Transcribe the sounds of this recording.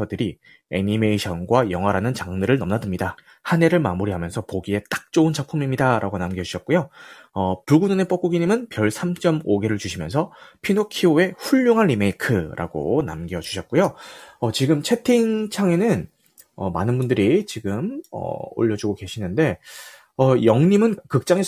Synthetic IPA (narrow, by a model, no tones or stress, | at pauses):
ʌdɯɾi | e̞̰ɲime̞iɕʰʌnɡwajʌŋɦwaɾanɯnt͡ɕaŋnɯɾɯɭnʌmnadɯmɲida | hane̞ɾɯɭma̰muɾiɦamjʌnsʰʌpoɡie̞t͈ḁk̚t͡ɕ͈ound͡ʑapʰumimɲidaɾʔa̰ɡonamɡiʌuɕʰʌt̚k͈ojoʌpuɭɡunɯne̞p͈ʌk͈uɡiɲimɯnpjʌɭsʰamt͡ɕ͈ʌmoɡe̞ɾɯɭt͡ɕuɕʰimjʌnsʰʌpʰinokʰioe̞ɸuʎːoŋɦanɾime̞ikʰɯɾʔa̰ɡo̰na̰mɡijʌd͡ʑu̥ɕʰʌt̚k͈ojoʌt͡ɕiɡɯmt͡ɕʰe̞tʰiiŋt͡ɕʰaŋe̞nɯn | ʌma̰nɯnbundɯɾit͡ɕiɡɯmʌ̰o̰ʎːʌd͡ʑuɡoke̞ɕʰinɯnde̞ | ʌjʌŋɲimɯnkɯk̚t͡ɕ͈aŋe